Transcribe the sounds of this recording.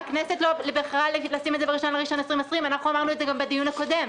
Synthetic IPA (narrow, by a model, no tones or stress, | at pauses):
knesetlolebeχlalelasimezeeiʃonleʁiʃo̞nesʁimesʁimanaχuamaʁnuezeɡambed̪ijunhako̞de̞m